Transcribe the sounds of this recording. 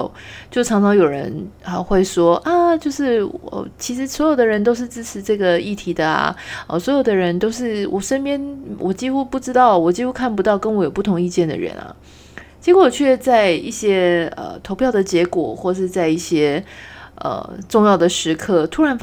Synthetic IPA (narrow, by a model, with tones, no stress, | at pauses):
t͡ɕjo˥˩ʊʈ͡ʂʰɑ˧˥ŋʈ͡ʂʰɑ˧˥ŋjo˨˩ʊɻə̰˧˦nə˧˩xwe˥˩ɪʂwɔ˥ʔa˥˩t͡ɕjo˥˧ʊʂɻ̩˥˩ə̰˨˩t͡ɕʰi˧˥ʂɻ̩˧˥swɔ˧˥jo˨˩ʊd̪ə˦ɻə˧˥nt̪o˥ʊʂ̬ɻ̩˥˧ʈ͡ʂɻ̩˥ʈ͡ʂʰɻ̩˧˥ʈ͡ʂɤ˥˩ɡə˩i˥˩t̪ʰi˧˥d̪ə˧ɐ̰˩ə̰˨˩swɔ˧˥jo˨˩ʊd̪ə˧ɻə˧˥nt̪o˥ʊʂɻ̩˥˩wʔɔ˨˩ʂə˥npjɛ˥nwʔɔ˨˩t͡ɕi˥xu˥pu˥˩ʈ͡ʂɻ̩˥t̪ɑ˥˩ʊwɔ˨˩t͡ɕi˥xu˥kʰa˥˩np̬u˧˦t̪ɑ˥˩ʊkə˥nwɔ˧˥jo˨˩ʊp̬u˥˩t̪ʰʊ˧˥ŋi˥˧t͡ɕjɛ˥˩nd̪ə̰˩ɻə̰˧˥nɐ̰˨ | t͡ɕjɛ˧˥kʰɔ˨˩t͡ɕʰɥɛ˥˧t͡sa˥˧ɪi˥˩ɕjɛ˥ə̰˧t̪ʰo˧˥ʊpʰjɑ˥˩ʊd̪ə˩t͡ɕjɛ˧˥kwɔ̰˨˩xwɔ˥˩ʂɻ̩˥˧t͡sa˥˧ɪi˥˩ɕjɛ˥ | ə̰˩ʈ͡ʂʊ˥˧ŋjɑ˥˩ʊd̪ə˩ʂɻ̩˧˥kʰɤ˥˩t̪ʰu˥ɻa˧˥n